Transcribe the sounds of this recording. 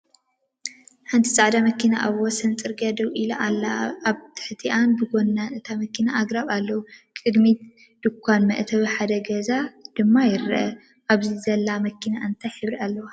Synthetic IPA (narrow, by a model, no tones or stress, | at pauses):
ħɨnt̪ʰi̥sʼaʕd̪amɐkːina̰ʔawosɐnt͡sʼɨɾɡɐd̪ɐwilaʔalːaːβt̪ʰɨ̥ħt̪ʰiʔanbɨɡo̞nːanɨt̪ʰamɐkːinaʔːɡɾaβalːɐwukʼɨd̪mi | d̪̥ɨkʰʷːanmɐ̰ʔt̪ʰɐβiħad̪ɐɡɐzad̪̥ɨmːajɪɾɨʔɐ | ʔaβzizɐlːamɐkʰːinaʔɨnt̪ʰajħɨβɾialːɐwa